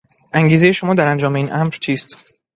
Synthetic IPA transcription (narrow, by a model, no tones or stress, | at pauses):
ʔæŋɟiːzeje̞ʃo̞mɒːd̪æɾænd͡ʒɒːme̞iːnʔæmɾt͡ʃʰiːst̪